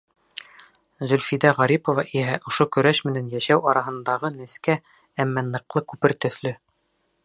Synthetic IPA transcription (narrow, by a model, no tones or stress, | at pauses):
zɵlfid̪æʁɑɾipovɑʔiɦæʔŏʃokɵ̆ɾæʃmɘ̆nænjæʃæwɑɾɑɦɤ̆nd̪ɑʁɤnɘ̆skæ | æmːænɤ̆qlˠɤkʉpɘɾt̪ɵ̆θlɵ